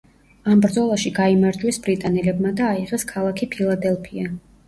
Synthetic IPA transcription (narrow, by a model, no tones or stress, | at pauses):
ambɾd̪zɔlˠaʃiɡaimaɾd͡ʒwɛsbɾit̪ʼanɛlɛbmad̪aːiʁɛskʰalˠakʰipʰilˠad̪ɛlˠpʰia